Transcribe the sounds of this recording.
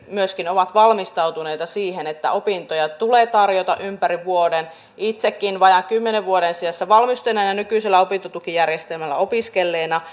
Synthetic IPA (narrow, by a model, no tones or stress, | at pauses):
myøskinoʋɑt̪ʋɑlmist̪ɑuwt̪une̞jt̪ɑsiːhenet̪ːæ̰o̞pint̪ojɑt̪uleːt̪ɑrjot̪ɑ̰ʔympæɾiʋuoden | it̪sekːinʋɑjɑŋkymːeneʋʋuoɾensiæsːæʋɑlmist̪enænɑnykyˑselːæo̞pint̪ot̪ukijærjest̪elmælːæ̰o̞piskelːeːnɑ